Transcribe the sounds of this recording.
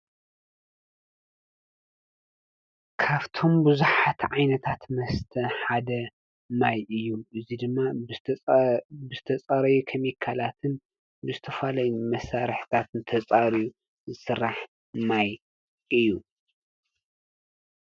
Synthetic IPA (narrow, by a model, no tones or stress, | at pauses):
kʰaβt̪ʰo̞mbɨzuħat̪ʕajnɐt̪ʰat̪mɐst̪ʰɐħad̪ɐ | majʔɨjːuʔɨzid̪ɨmːa | bɨzɨt̪ʰɐt͡sʼɐɾɐjukʰɐmikʰːalat̪ʰɨn | bɨzɨt̪ʰɐfalɐjumɐsaɾɨħt̪ʰat̪ɨnt̪ʰɐt͡sʼaɾiju | zɨsɨrːaħ | maj | ʔɨjːu